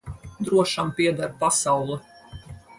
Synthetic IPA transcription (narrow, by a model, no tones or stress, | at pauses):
d̪ɾuɔʃampiɛd̪aɾpasawlˠɛ